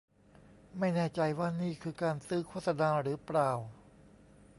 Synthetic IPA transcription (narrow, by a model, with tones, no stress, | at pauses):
ma˥˩jnɛː˥˩t͡ɕa˧jwaː˥˩niː˥˩kʰɯː˧kaː˧nsɯː˦˥˩kʰo˥˩t̪̚sa˧naː˧ɾɯː˩˦pɾaː˧˩w